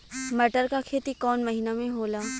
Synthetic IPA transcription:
mɐʈəɾkakʰeːt̪ikɔːnmɐɦinamẽɦoːlaː

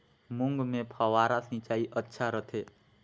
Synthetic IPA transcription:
mʊ̃ŋɡmẽpʰaʋaːɾasɪ̃t͡ʃaːiʔətːʃʰaɾət̪ʰe

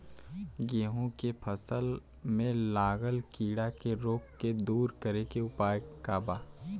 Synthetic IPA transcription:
ɡeːɦõkepʰəsəl | mẽlaːɡəlkiːɽakeɾoːkːed̪uːɾkəɾekeʊpaːjkaːbaː

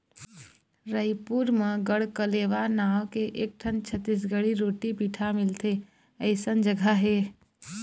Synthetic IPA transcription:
ɾəjpuɾməɡəɽkəleʋanawkeʔek̚ʈʰənt͡ʃʰət̪ːis̬ɡəɽiɾoʈipiːʈʰamilt̪e | əɪsənd͡ʒəɡʱaɦe

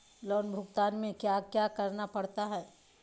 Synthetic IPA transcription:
lɔːnbʱʊɡt̪aːnmẽkjaːkjaːkɐɾnapɐɽt̪aɦɛː

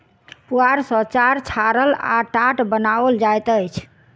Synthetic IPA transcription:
puaɾsət͡ʃaɾt͡ʃʰaɾəla̰ʈaʈbənaʋəld͡ʒajt̪əjt͡ʃʰ

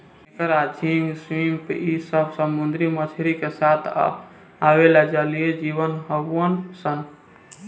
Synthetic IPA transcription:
ekəɾad͡ʒʰʱiŋɡswimpeisəbʱsəmund̪ɾimət͡ʃʰeɾikesat̪ʰ | awelad͡ʒalijed͡ʒibənɦəbənsən

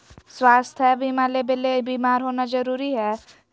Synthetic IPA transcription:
swaːst̪ʰɛbʱimalebelebiːmaːɾɦoːnad͡ʒəɾuːɾiɦɛ

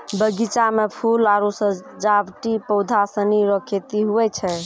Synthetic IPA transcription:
bəɡit͡ʃamepʰulaɾosə̃d͡ʒabʈipɔwd̪ʱasəniɾɔkʰet̪iɦuɛt͡ʃʰɛ

